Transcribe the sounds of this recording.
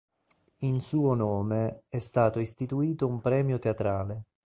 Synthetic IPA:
insuːonoːmeɛst̪aːt̪oist̪it̪uiːt̪oumpɾɛːmjot̪eat̪ɾaːle

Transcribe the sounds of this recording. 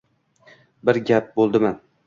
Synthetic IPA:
bɪɾɡʲap̚bolˠd̪ɪman

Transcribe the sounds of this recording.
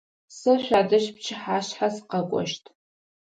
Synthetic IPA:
sɨɕʷadɨʃp̚t͡ʃʰɪħaːɕħasqɐkʷʼɔ̰ʃtʰ

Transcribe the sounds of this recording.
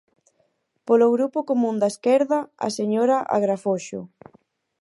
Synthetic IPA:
poloɣɾupokomũnd̪aeskɛɾðɐa̰seɲoɾaʔa̰ɣɾafoʃʊ̰

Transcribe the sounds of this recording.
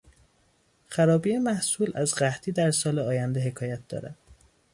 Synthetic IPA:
xæɾɒːbiːemæhsuːlʔæzɢæht̪ʰiːd̪æɾsɒːleɒːjænd̪eɦe̞kʰɒːjæt̪̚d̪̥ɒ̰ːɾæ̰d̪̥

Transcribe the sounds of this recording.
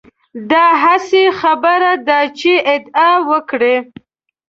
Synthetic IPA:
d̪ɑɦasexabəɾad̪ɑt͡ʃeɪd̪ɑwəkɽe

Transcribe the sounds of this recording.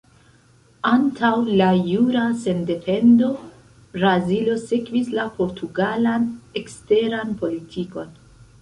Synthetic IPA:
antʰawlajuɾase̞nde̞fe̞ndo̞ | bɾazilo̞sekvislapo̞ɾtʰuɡalane̞kste̞ɾanpo̞litʰiko̞n

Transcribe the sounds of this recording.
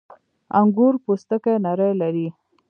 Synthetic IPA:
aŋɡuɾpost̪əkanaɾəjlaɾi

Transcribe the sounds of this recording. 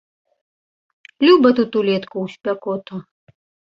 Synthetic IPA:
lʲubɐt̪ut̪ulʲɛt̪kuwsʲpʲɛkɔt̪ɔ

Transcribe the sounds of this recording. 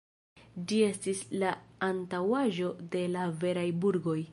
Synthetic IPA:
d͡ʒie̞stislaantawaʒo̞de̞lave̞ɾajbuɾɡo̞j

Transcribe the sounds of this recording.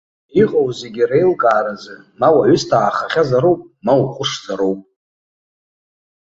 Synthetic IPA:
iqʼowze̞ɡʲirejlkʼaːɾazɨ | mawaʕʷʏstʰaːχaχʲazaɾowpʼmawuχʷʼʊʂzaɾowpʼ

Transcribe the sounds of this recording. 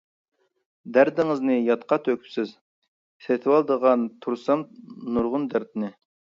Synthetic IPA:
d̪æɾd̪ɪŋɨznɨjɑt̪qʰɑt̪ʰøkʲʰy̥psɪz | set̪ʰɪwɑlˠd̪əʁɑnt̪ʰuɾsɑnnuɾʁʊnd̪æɾd̪ɪnɪ

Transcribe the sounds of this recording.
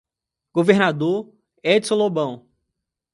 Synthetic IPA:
ɡ̥oveɾnad̪oɾ | ɛd͡ʒsõlobɐ̃w̃

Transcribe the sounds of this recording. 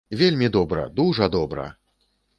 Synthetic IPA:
vʲelʲmʲid̪ɔbɾɐ̰d̪uʐɐd̪ɔbɾɐ̰

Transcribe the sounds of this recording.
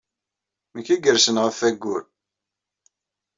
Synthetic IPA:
məkːæɡəɾsənʁəfæɡːʊɾ

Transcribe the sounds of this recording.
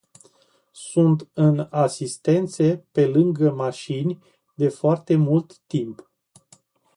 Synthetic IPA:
sunt̪ɨnasist̪e̞nt̪sepe̞lɨŋɡəmaʃinʲ | d̪e̞foart̪e̞mult̪ːimp

